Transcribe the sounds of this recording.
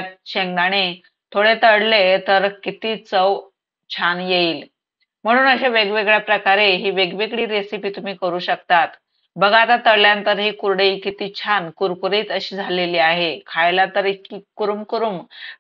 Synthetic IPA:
ɕeŋd̪aɽ̃e | t̪ʰoɽet̪əɽlet̪əɾkit̪iːt͡səw | t͡ɕʰanjeiːl | m̤əɽ̃uːnəɕeʋeɡʋeɡɭjapɾəkaɾeɦiːʋeɡʋeɡɽiːɾesipiːt̪um̤iːkəɾuːɕəkt̪at̪ | bəɡʱat̪at̪əɽljãnt̪əɾɦiːkuɾɽeikit̪iːt͡ɕʰankuɾkuɾiːt̪əɕiːd͡zʱaleliːaɦekʰajlat̪əɾiikuɾumkuɾuːm

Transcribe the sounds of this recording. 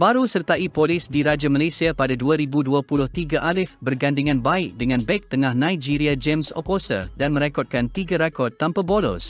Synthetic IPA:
baɾusərt̪aipolɪsdiɾad͡ʒamalesiapadaduaɾibuduapulʊht̪iɡaʔalɪfbərɡandiŋãnbaɪk̚dəŋãnbɛk̚t̪əŋãhnãjd͡ʒiɾiad͡ʒɛmsɔ̰posə̰danmə̃ɾekɔt̪̚kant̪iɡaɾakɔt̪ːampabolɔ̰s

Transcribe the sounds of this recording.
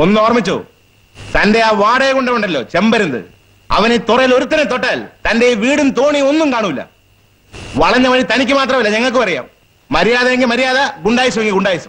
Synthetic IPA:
onːuoːrmit͡ɕːo̰ː | t̪ɐnde̞aːʋaːɽeːkoɳɖɐʋeɳɖɐlːo̞̰ːt͡ɕembɐɾunɐdɨ̰ | ɐ̰ʋɐnet̪urɐjilo̞ɾut̪ːɐnet̪oʈːaːlt̪ɐndeʋiːɽɨnt̪oːɳionːumkaːɳuʋilːɐ̰ | ʋɐɭɐɲːɐʋɐɭit̪ɐnik̬ʲːɨmaːt̪rɐmilːɐɲɐŋːɐɭk̬ɨpɐrija̰ːmː | ɐɾijaːðɐeŋɡilmɐɾijaːðɐɡuɳɖaːjisɐmeŋːɡiɡuɳɖaːjisɐm

